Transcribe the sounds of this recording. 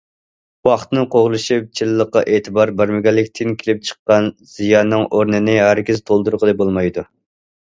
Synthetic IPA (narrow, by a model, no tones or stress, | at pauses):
wɑχt̪ɨnɨŋqʰoʁlˠɨʃip̚t͡ʃʰilɨːəqːɑ̰ʔeːt̪ʰɨbɑɾbæɾmɪɡʲɛlːɪkʲt̪ʰɪŋkʲʰelɪp̚t͡ʃʰə̥qːɑnz̥ijɑnːɨŋʔoɾnɪnɪɦæɾkʲizt̪ʰolˠd̪uɾqʰəlˠɨbolˠmɑjd̪u